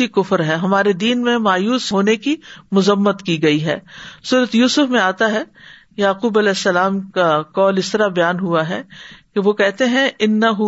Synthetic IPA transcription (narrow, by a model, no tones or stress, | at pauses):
ikʊfɾɦɛɦɐmaːɾed̪iːnmẽmaːjuːsɦoːnekimʊzəmːət̪kiɡɐiɦɛ̰ːsuːɾət̪juːsʊfmẽaːt̪aɦɛ | jaːquːbɐlɛːsːɐlaːmkakɔːlɪst̪ɐɾabɐjaːnɦuaɦɛkeʋokɛɦt̪eɦɛ̃ɪnːɐɦʊ